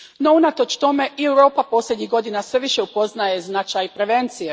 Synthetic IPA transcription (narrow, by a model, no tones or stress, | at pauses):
no̞unat̪o̞t͡ʃt̪o̞me̞ʔiewɾo̞ːpapo̞slʲje̞d̪ɲiɦɡo̞d̪inasʋe̞ʋiʃe̞upo̞znaje̞znat͡ʃajpɾe̞ʋe̞nt̪sije